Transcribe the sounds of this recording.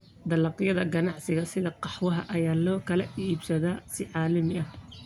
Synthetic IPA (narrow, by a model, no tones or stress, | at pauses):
d̪ɐlɑqjɐðɐɡɐnɑʕsɪɣɐsɪðɐqɑħwɐɦɐʔɐjaːlɔːkʰɐlɐiːbsɐðaːsɪʕɑːlɐmɪɐh